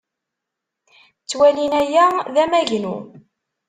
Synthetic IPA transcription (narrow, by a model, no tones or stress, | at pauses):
t͡sːwælinæjæðæmæʝnṵ